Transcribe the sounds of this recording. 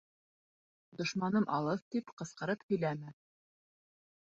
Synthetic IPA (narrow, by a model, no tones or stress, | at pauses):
d̪ŏʃmɑnɤmʔɑlˠɤpt̪ipqɤ̆sqɤ̆ɾɤphɵ̆jlæmɘ